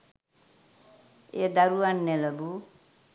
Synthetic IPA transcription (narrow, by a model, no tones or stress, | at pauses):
ed̪aɾuanːeləbu